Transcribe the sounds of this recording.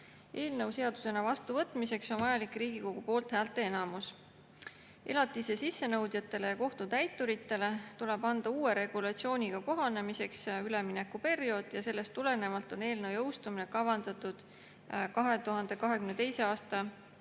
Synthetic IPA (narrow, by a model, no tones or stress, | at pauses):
ʔe̞ːlnɤwse̞ɑd̪̥use̞nɑvɑst̪uvɤt̪ːˑmise̞kso̞nvɑjɑlikriːɡ̥iko̞ɡ̥upoːlt̪hæːlt̪ːˑe̞e̞nɑmus | e̞lɑt̪ːˑise̞sisːe̞nɤwd̪̥jɑt̪ːˑe̞le̞jɑko̞ht̪ut̪æjt̪ˑːuɾit̪ːˑe̞le̞t̪ule̞b̥ɑnd̪̥ɑuːe̞ɾe̞ɡ̥ulɑt̪sio̞ːnʲiɡ̥ɑko̞ɦɑne̞mise̞ksyle̞mine̞kːupe̞rijo̞ːd̪̥jɑse̞lːe̞st̪ːule̞ne̞mɑlt̪ˑo̞ne̞ːlnɤwjɤ̞wst̪uminekɑvɑnd̪ɑt̪ˑud̪̥ | kɑɦe̞t̪uɦɑnd̪̥e̞kɑɦe̞kymnet̪e̞jse̞ɑːst̪ɑ